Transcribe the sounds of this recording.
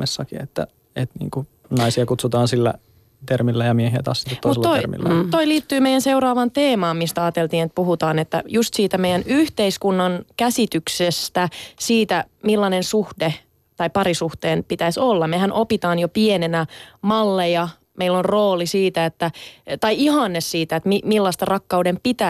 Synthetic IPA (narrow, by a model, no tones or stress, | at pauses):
esːɑkiet̪ːæ̰ | et̪nḭːŋku | nɑisiɑkut̪sut̪ɑːnsilːæ̰ | t̪ermilːæjɑmiehiæ̰t̪ɑ̰ːsːi̥t̪ːeomutslːt̪oirmḭl̰ːt̪oiliːt̪ːyːmeijænseuɾɑːʋɑnt̪eːmɑːmmist̪æɑːt̪elt̪iːnet̪̚puhut̪ɑːnet̪ːæ̰just̪siːt̪æmeijænyht̪eiskunːɑnkæsit̪yksest̪æsiːt̪æmilːɑnensuhde | t̪ɑipɑɾisuht̪eːnpit̪æsolːɑmehænʔopit̪ɑːnjopienenæmɑlːejɑ | meilːonroːlisiːt̪æet̪ːæt̪ɑiihɑnːessiːt̪æet̪mimilːɑst̪ɑrɑkːɑudempit̪æ